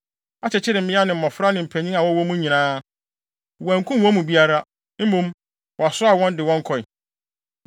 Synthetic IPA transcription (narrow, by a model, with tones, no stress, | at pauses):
a˦˨t͡ɕʰɛ˨t͡ɕʰɪ˦ɾɪ˨m̩˨mɪ̃˦a˦nɪ̃˨m̩˨ɔ̃˨fɾa˦nɪ̃˨m̩˨pʰæ˨ɲĩ˦a˨wɔ˦wɔ˦mũ˦ɲĩ˨nãː˦ | wæ̃˨ŋ˨kʰũ˦m˦wɔ̃˦mũ˨bi˦a˦ɾa˦ | m̩˦mõ˦m | wɔ˨a˨sʊ˦a˨wɔ̃˦ndɪ˨wɔ̃˦ŋ˦kʰɔ˨ɪ˨